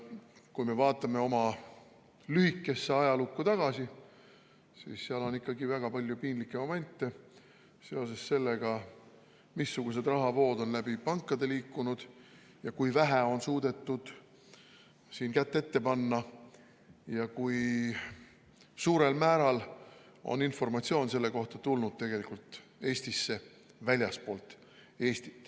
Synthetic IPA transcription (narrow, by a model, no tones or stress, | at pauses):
kujme̞vɑːt̪ˑːɑme̞o̞mɑ | lyhikːˑe̞sːeɑjɑlukːut̪ɑɡ̥ɑsi | sḭːsːeɑlo̞nikːˑɑɡivæɡ̥ɑpɑlʲjupinlikːˑemome̞nt̪ːˑe | se̞o̞se̞sːe̞lːeɡ̥ɑ | misːuɡ̥us̬e̞d̪̥rɑɦɑvo̞ːd̪̥o̞nlæb̥ipɑŋkːˑɑd̪̥e̞liːkːunud̪̥ | jɑkujvæɦæo̞nsuːd̪̥e̞t̪ːˑud̪̥ | siːnkæt̪ːe̞t̪ːe̞pɑnːɑ | jɑkuj | suːɾe̞lmæːɾɑl | o̞̰ninfo̞rmɑt̪sio̞ːnse̞lːe̞ko̞ht̪ɑt̪ulnud̪̥̚t̪e̞ɡe̞likult̪ˑe̞ːst̪isːe̞ | vælʲjɑspo̞ːlt̪ːˑ | e̞ːst̪i̥t̪ːˑ